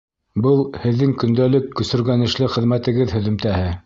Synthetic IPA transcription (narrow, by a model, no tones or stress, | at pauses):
bɤlˠhɘ̆ðːɘŋkɵ̆nd̪ælɘkːɵ̆sɵ̆ɾɡænɘ̆ʃlɘχɘ̆ðmæt̪ɘ̆ɡɘðhɵ̆ðɵ̆mt̪æhɘ